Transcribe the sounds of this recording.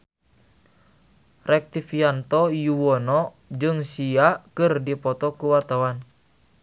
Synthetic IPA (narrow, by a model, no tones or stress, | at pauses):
rɛk̚t̪ifiant̪ɔjuwɔnɔ | d͡ʒɨŋsiakɨrdipɔt̪ɔkuwart̪awan